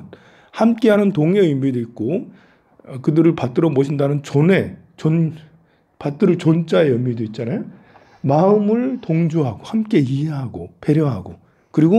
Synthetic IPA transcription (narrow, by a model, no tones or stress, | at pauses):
hamk͈e̞ɦanɯntoŋeimːidoit̚k͈o | kɯdɯɾɯɭpat̚t͈ɯɾʌboɕʰindanɯnt͡ɕone̞ | t͡ɕon | pat̚t͈ɯɾɯɭt͡ɕont͡ɕ͈ae̞jʌmːidoit̚t͡ɕ͈anajo | maɯmɯɭtoŋd͡ʑuɦaɡohamk͈e̞iɦe̞ɦaɡope̞ɾjʌɦaɡo | kɯɾiɡo